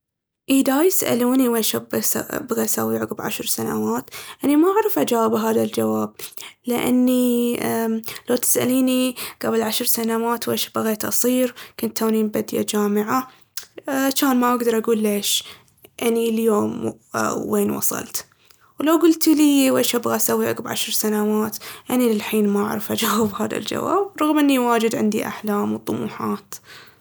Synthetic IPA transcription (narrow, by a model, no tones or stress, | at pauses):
ʔid̪ajɪsʔa̰luːniweːʃabsa̰bɣasa̰wʕʊɣbʕa̰ʃɾsana̰waːt̪ʔanimaʔaʕɾˤɪfʔad͡ʒaːbɦaːðald͡ʒawaːb̚lɪʔa̰nːi | lawt̪ɪ̥sʔa̰liːniɡ̥abɪlʕaʃɾˤsanawaːt̪weːʃbaɣeːt̪ʔɑ̰sˤiːɾkʊnt̪ʰːawniːmbad̪ja̰d͡ʒaːmɪʕa | at͡ʃaːnmaʔaɡd̪ɑɾˤʔaɡuːlːeːʃ | ʔɪnːiljoːmː | eːnwɑ̰sˤɑ̰lt̪ | wlawɡʊlt̪liːweːʃʔabɣaʔsawːiʔa̰ɡabʕa̰ʃɾsanawaːt̪ʔanilɪlħiːnmaa̰ʕɾˤɪfʔad͡ʒaːwɪbhaːða̰ld͡ʒa̰wa̰ːbɾˤɑɣmʔɪnːiwaːd͡ʒɪd̪ʕɪ̰nd̪ḭʔa̰ħlaːmwt̪ˤːʊmṵːħaːt̪